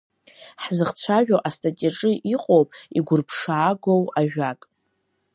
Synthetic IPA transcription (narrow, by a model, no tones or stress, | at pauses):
ħzɨχt͡ɕʷʰaʒᶣoʔastʼatʼiʈ͡ʂʼɨʔiqʼowpʼiɡʷʊrpʰʂaːɡʷowaʒᶣakʼ